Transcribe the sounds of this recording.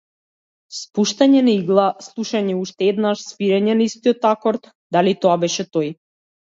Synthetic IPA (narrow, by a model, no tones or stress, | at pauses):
spuʃt̪aɲɛnaiɡlˠaslˠuʃaɲɛuʃt̪ɛɛd̪naʃsviɾɛɲɛnaist̪iɔt̪akɔɾt̪ | d̪alit̪ɔabɛʃɛt̪ɔj